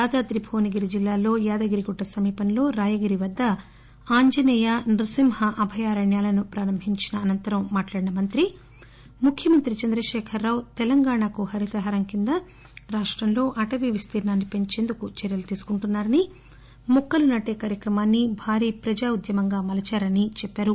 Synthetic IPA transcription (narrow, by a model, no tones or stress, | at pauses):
jaːd̪aːd̪ɾibʱoːniɡiɾid͡ʒilːaːlo̞ːjaːd̪ɐɡiɾiɡuʈːɐsɐmiːpɐnlo̞ːɾaːjɐɡiɾiʋɐd̪ːɐ | aːɲd͡ʒɐnɛːjaːnɾusimhɐʔɐbʱɐjaːɾɐɳjaːlɐnupɾaːɾɐmbʱiɲt͡ʃinɐːnɐnt̪ɐɾɐmːaːʈlaːɽinɐmɐnt̪ɾi | mukʰjɐmɐnt̪ɾit͡ʃɐnd̪ɾɐʃɛːkʰɐɾːaːwt̪ɛlɐŋɡaːɳakuhɐɾit̪ɐɦaɾɐmkind̪ɐ | ɾaːʂʈɾɐmlo̞ːʔɐʈɐʋiʋist̪iːɾnaːnːipe̞ɲt͡ʃe̞ːnd̪ukut͡ʃɛɾjɐlut̪iːsu̥kuɳʈunːaːɾɐni | mukːɐlunɐʈeːkaːɾjɐkɾɐmaːnːibʱaːɾiːpɾɐd͡ʒaːud̪jɐmɐŋɡaːmɐlɐt͡ʃaːɾɐnit͡ʃɛpːaːɾu